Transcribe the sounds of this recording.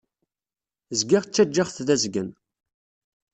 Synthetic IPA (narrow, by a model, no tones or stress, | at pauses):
zɡɪʁt͡sːæd͡ʒːaʁθðæzɡən